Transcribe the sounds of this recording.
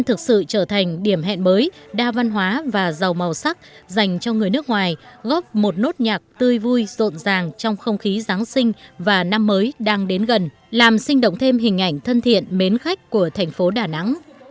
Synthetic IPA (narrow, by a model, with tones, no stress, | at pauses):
nt̪ʰɨ˨˩k̚sɨ̰˧˨t͡ɕəː˧˩t̪ʰa˨˩jŋ̟ɗi˧˩əmɦɛ̰˧˨nməː˨˦jɗaː˧va˧nɦwaː˨˦vaː˨˩za˨˩wmə˨˩wsa˦˥k̚za˨˩jŋ̟t͡ɕɔ˧ŋɨ˨˩əjnɨ˦˥ək̚ŋwaː˨˩jɣɔ˦˥p̚mo˨˩t̚no˦˥t̚ɲaː˨˩k̚t̪ɨ˧əjvu˧jzo̰˧˨nzaː˨˩ŋt͡ɕɔ˧wŋ͡mxə˧wŋ͡mxi˨˦zaː˨˦ŋsï˧ŋ̟vaː˨˩na˧mːəː˨˦jɗaː˧ŋɗe˨˦nɣə˨˩n | laː˨˩msï˧ŋ̟ɗə̰o̰˧˨wŋ͡mt̪ʰe˧mɦï˨˩ŋ̟ʔa˧˩jŋ̟t̪ʰə˧nt̪ʰḭ˧˨ənme˨˦nxa˦˥jk̟̚ku˧˩ət̪ʰɛ˨˩ŋ̟fo˨˦ɗaː˨˩na̰˧˥ŋ